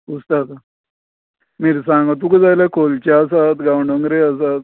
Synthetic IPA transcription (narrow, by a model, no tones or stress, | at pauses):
ɡust̪at̪a | miɾsãŋɡat̪ukəd͡zajlakʰolt͡ɕaːsat̪ɡawɳɖəŋɡɾeas̬at̪̚